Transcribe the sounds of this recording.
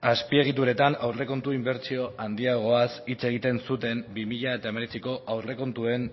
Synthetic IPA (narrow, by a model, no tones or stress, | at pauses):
aspie̞ɣ̞it̪uɾe̞t̪anawre̞ko̞nt̪uimbe̞ɾt͡sio̞ʔand̪iaɣ̞o̞asit͡se̞ɣ̞it̪e̞nsut̪e̞mbimiʎae̞t̪ae̞me̞ɾe̞t͡siko̞ʔawre̞ko̞nt̪ue̞n